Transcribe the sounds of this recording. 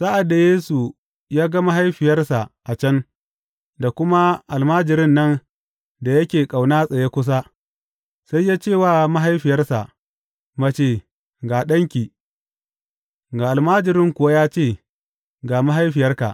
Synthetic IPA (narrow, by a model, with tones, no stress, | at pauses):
sa˦ʔa˨da˨jeː˦su˨ | jaː˦ɡa˦ma˦ɦa˦jɸɪ˨jɐ˦rsa˨ʔʔa˨t͡ʃɐ˦n | da˨kʷʊ˦ma˦ʔa˨lmaː˦d͡ʒɪ˨ɾɪ˦nːɐ˦n | da˨jɐ˦kʲeː˨kʼa˨wnaː˦sʼɐ˨je˦kʷʊ˦s̬a˦ | sa˦jːaː˦t͡ʃeː˦˨waː˦ma˦ɦa˦jɸɪ˨jɐ˦rsa̰˨ʔ | mɐ˦t͡ʃeː˦˨ | ɡaː˨ɗɐ˦ŋkʲiː˨ | ɡaː˨ʔa˨lmaː˦d͡ʒɪ˨ɾɪ˦ŋkʷʊ˨wa˦jaː˦t͡ʃeː˦˨ | ɡaː˨ma˦ɦa˦jɸɪ˨jɐ˦rka̰˨ʔ